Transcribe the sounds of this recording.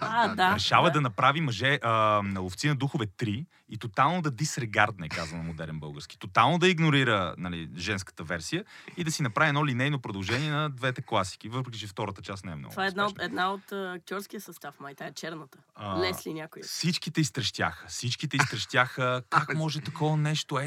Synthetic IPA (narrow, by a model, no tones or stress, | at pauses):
ad̪aɾɛʃavəd̪ɐnɐpɾavimɐʒɛʔənɐlˠoft̪sinɐd̪uxʊvɛt̪ɾi | it̪ot̪alˠnod̪ɐd̪isɾɛɡaɾd̪nɛkazɐnɐmod̪ɛɾɛnbɤ̰lˠɡəɾsk̟i̥t̪ot̪alˠnod̪ɐiɡnoɾiɾə̰nɐlḭʒɛnskə̥t̪əvɛɾsijəid̪ɐsinɐpɾaviɛd̪nɔlinɛjnopɾod̪əɐlˠʒɛniɛnɐd̪vɛt̪ɛklˠasi̥k̟ivɤpɾɛkʲit͡ʃɛft̪ɔɾət̪ət͡ʃast̪nɛɛ̰mnɔ̰ɡ̪tvaɛd̪nat̪ɛd̪naot̪ːɐk̚t̪ʲjɔɾskijəsɐst̪afmajt̪aɛt͡ʃɛɾnət̪əlɛslinʲakojfsit͡ʃkit̪ɛist̪ɾɐʃt̪ʲja̰xəfsit͡ʃkit̪ɛist̪ɾɐʃt̪ʲjaxəkakmɔʒɛt̪ɐkɔvɐnɛʃt̪oɛ